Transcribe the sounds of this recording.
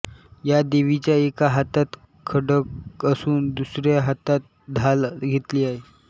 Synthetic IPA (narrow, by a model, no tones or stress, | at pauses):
jad̪eʋit͡ɕjaekaɦat̪at̪ | kʰəɽəkəsuːnd̪usɾjaɦat̪at̪̚ | d̪ʱalɡʱet̪liːaɦe